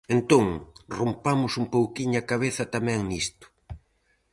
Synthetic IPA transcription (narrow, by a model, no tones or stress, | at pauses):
ent̪oŋrompamʊsumpowkiɲʊakaβ̞eθɐt̪amɛ̃ŋnist̪ʊ̥